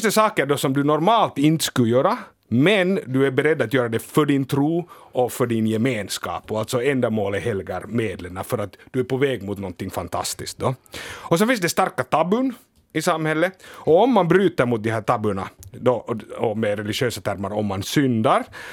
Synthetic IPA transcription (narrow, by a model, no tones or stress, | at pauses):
sd̪ɛsɑːkəɖɔsɔmd̪ʉnɔɾmɑːlt̪ɪnt̪ə̥skʉjøːɾa | mɛnd̪ɵæɾbɛɾɛd̪ːat̪jøːɾad̪ɛfœɖɪnt̪ʰɾuː | ɔfœɖɪnjɛmeːnskɑ̰ːpɔalt̪sɔɛnd̪amoːləhɛlɡaɾmeːd̪ləɳafœɾat̪d̪̥ɵæɾpɔvɛːɡmʊt̪nɔnt̪ːɪŋːfant̪ʰa̰st̪ɪsk̚d̪ɔɔsɛnfɪns̬d̪ɛst̪aɾkat̪ʰɑːbʉn | ɪsamhɛlːəɔːmːanbɾʉːt̪ɑɾmʊt̪̚d̪ɪhæːʈ̪ɑːbʉɳa̰d̪ɔɔmɛɾɛlɪʃøːsat̪ʰæɾmaɾɔmːansʏnd̪aɾ